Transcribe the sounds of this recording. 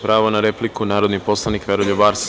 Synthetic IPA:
pɾaːʋonaɾeplikunaːɾod̪nipo̞slˠanikʋeɾoʎobaɾs

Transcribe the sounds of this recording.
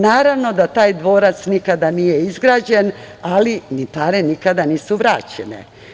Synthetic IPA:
naːɾaʋno̞d̪at̪aːjd̪ʋo̞ːɾat̪snikad̪anijeizɡɾaːd͡ʑenalinit̪aːɾenikad̪aniːsuʋɾaːt͡ɕenḛ

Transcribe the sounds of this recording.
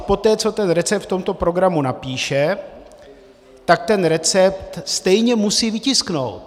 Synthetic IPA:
po̞t̪ɛːt͡so̞t̪ɛnɾɛt͡sɛp̚t̪ft̪o̞mt̪o̞pɾo̞ɡɾamunapiːʃɛ | t̪ak̚t̪ɛnɾɛt͡sɛpt̪st̪ɛjɲɛmusiːvɪcɪskno̞̰wt̪

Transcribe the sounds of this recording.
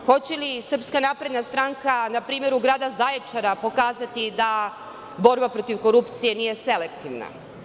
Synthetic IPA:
xo̞t͡ɕelisr̩pskanaːpɾe̞d̪nast̪ɾaŋkanapɾiːme̞ɾuɡɾaːd̪azajet͡ʂaɾapo̞kaːzat̪id̪a | bo̞ɾbapɾo̞t̪iʋko̞ɾupt̪sije̞nije̞se̞le̞kt̪iʋna̰

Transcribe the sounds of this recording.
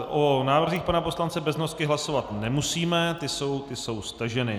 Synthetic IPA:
ʔonaːvr̩ziːxpanaposlant͡sɛbɛznoskɪɦlaso̞vat̪nɛmusiːmɛt̪ɪso̞wt̪ɪso̞wst̪aʒɛnɪ

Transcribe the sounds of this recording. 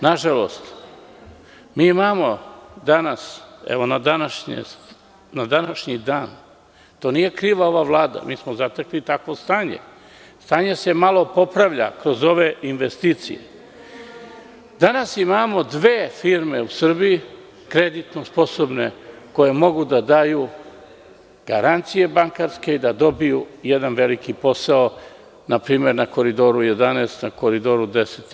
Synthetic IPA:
naʒalo̞̰st̪ | miːimaːmo̞d̪anasḛʋo̞nad̪anaʃɲḛ | nad̪anaʃɲid̪aːn | t̪oːnije̞kɾiːʋao̞ʋaʋlˠaːd̪a̰miːsmozat̪eklit̪akʋo̞st̪aːɲe̞̰ | st̪aːɲe̞se̞malo̞po̞pɾaʋʎa̰kɾo̞zo̞ʋe̞inʋest̪iːt̪sḭjḛ | d̪anasimaːmo̞d̪ʋeːfiɾme̞usr̩biji | kɾed̪it̪nospo̞sobne̞ko̞je̞mo̞ɡud̪ad̪aːju | ɡ̥aɾant̪sije̞baŋkaɾske̞id̪ad̪o̞bijujed̪anʋe̞likipo̞sao | napɾiːme̞ɾnako̞ɾid̪o̞ːɾuje̞d̪aneːst̪nakoɾid̪oːɾud̪eset̪

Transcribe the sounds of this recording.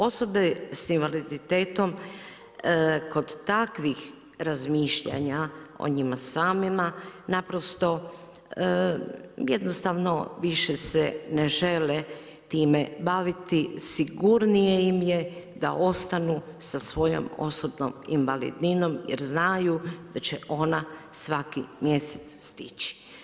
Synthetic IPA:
o̞so̞be̞sinʋalid̪it̪e̞ːt̪o̞m | ko̞d̪ːakʋix | ɾazmiːʃʎa̰ɲao̰ɲimasaːmimanapɾo̞st̪o̞ | jed̪nost̪aʋno̞̰ʋiʃeseneʒe̞le | t̪iːmebaʋit̪isiɡuɾnijejimjed̪a̰ʔo̞st̪anusasʋo̞jo̰mo̰sobno̰mḭnʋalḭd̪nino̞mjḛɾznajud̪̥at͡ɕeʔo̞nasʋakimje̞se̥t̪sst̪it͡ɕi̥

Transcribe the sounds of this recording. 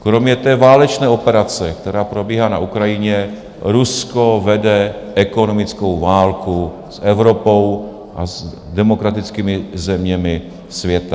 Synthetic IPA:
kɾomɲɛt̪ɛːvaːlɛt͡ʃnɛːo̞pɛɾat͡sɛkt̪ɛɾaːpɾobiːɦaːna̰ʔukɾajɪɲɛ | ɾuskovɛdɛʔɛkonomɪt͡skowvaːlku | sʔɛvɾopo̞w | ʔaz | dɛmokɾat̪ɪt͡skiːmɪzɛmɲɛmɪ | svjɛt̪a

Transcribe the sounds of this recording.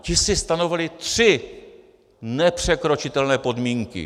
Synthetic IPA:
cɪsɪst̪ano̞vɪlɪt̪r̥ɪ | nɛpr̝̥ɛkɾo̞t͡ʃɪt̪ɛlnɛːpo̞dmiːŋkɪ̰

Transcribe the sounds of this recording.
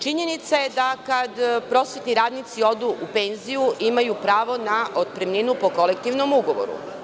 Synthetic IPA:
t͡ʃiɲe̞nit̪sajed̪akad̪pɾo̞sʋet̪niɾaːd̪nit̪sio̞d̪uʔupe̞ːnzijuʔimajupɾaːʋo̞naʔod̪̚pɾemlʲinupo̞ko̞lek̚t̪iʋno̞muɡoʋo̰ɾṵ

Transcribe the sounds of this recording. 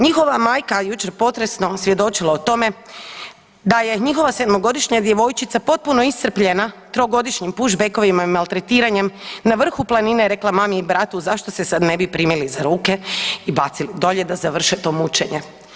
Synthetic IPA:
ɲixo̞ʋamaːjkajut͡ʃeɾpo̞t̪ɾe̞snosʋje̞d̪o̞t͡ʃilˠaot̪o̞me̞ | d̪aje̞ɲixo̞ʋase̞d̪moɡo̞d̪iʃɲad̪jeʋo̞jt͡ʃit̪sapo̞t̪̚puno̞ist̪r̩pʎenat̪ɾo̞ɡo̞d̪iʃɲimpuʒbeko̞ʋimaimalˠt̪ɾet̪iːɾaɲe̞mnaʋr̩xuplˠanineɾe̞klamamiibɾat̪uzaʃt̪osesad̪ne̞bipɾiːmilizaɾuːke̞ibat̪silid̪o̞ʎe̞d̪azaʋr̩ʃet̪o̞mut͡ʃe̞ɲe

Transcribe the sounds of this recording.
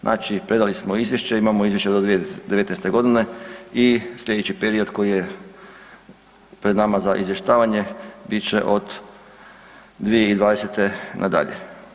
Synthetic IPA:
nʔa̰t͡ʃipɾe̞d̪alismo̞izjeʃt͡ɕeimamoizʋje̞ʃt͡ɕed̪od̪ʋijed̪eʋet̪nejst̪e̞ɡo̞d̪ine̞isʎʲe̞d̪et͡ɕipeɾio̞d̪ko̞jije | pɾed̪namazaʔḭzʋje̞ʃt̪aːʋaɲe̞bit͡ɕe̞̰ʔo̞d̪ | d̪ʋije̞id̪ʋaːd̪eset̪e̞nʔad̪a̰ʎḛ

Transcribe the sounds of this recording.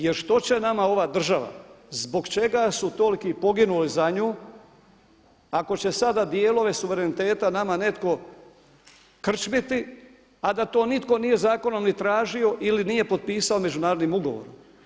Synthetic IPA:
jeɾʃt̪o̞t͡ɕe̞namao̞ʋad̪r̩ʒaʋa̰ | zbo̞ɡt͡ʃe̞ɡasut̪o̞likipo̞ɡinulizaɲuː | ako̞t͡ɕe̞sad̪ad̪jeːlˠo̞ʋe̞suʋe̞ɾenit̪e̞ːt̪anamane̞t̪ko̞ | kr̩t͡ʃmit̪i | ad̪at̪o̞ːnit̪ko̞nije̞zaːko̞no̞mnit̪ɾaːʒio̞ʔilinije̞po̞d̪̚piːsaome̞d͡ʒunaːɾo̞d̪nimuɡo̞ʋo̰ɾom

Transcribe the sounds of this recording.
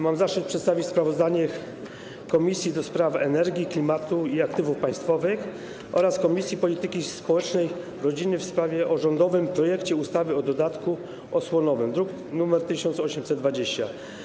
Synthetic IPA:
mamzaʂɨt̪̚pʂɛt̪st̪avʲit͡ɕspɾavɔzd̪aɲɛ | kɔmʲisʲjid̪ɔspɾafɛnɛɾɡʲiklʲimat̪uiakt̪ɘvufpãj̃st̪fɔvɘx | ʔɔ̰ɾaskɔmʲisʲjipɔlʲit̪ɘkʲispɔwɛt͡ʂnɛj | ɾɔd͡ʑinɘfspɾavʲjɛʔɔʐɔnd̪ɔvɘmpɾɔjɛkt͡ɕɛust̪avɘɔd̪ɔd̪at̪ku | ɔswɔnɔvɘmd̪ɾuk | numɛɾt̪ɘɕɔnt̪sɔɕɛmsɛd̪d̪vad͡ʑeɕt͡ɕa̰

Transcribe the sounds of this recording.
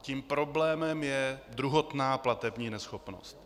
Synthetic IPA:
cimpɾo̞blɛːmɛmjɛd̪ɾuɦot̪naːplat̪ɛbɲiːnɛsxopno̰st̪

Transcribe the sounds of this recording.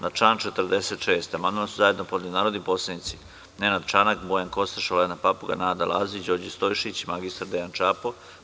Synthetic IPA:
naʈ͡ʂaːnt͡ʃet̪ɾd̪eset̪ʃeːst̪amand̪onasuzajed̪nopod̪d̪ʲunaːɾod̪nipo̞sled̪nit̪si | nenad̪t͡ʃanakbojanko̞st̪aʃolenapapuɡa̰naːd̪alʔa̰zid͡ʑoːɾd͡ʑist̪ojʃit͡ɕimaɡist̪aɾd̪ejant͡ʃapo

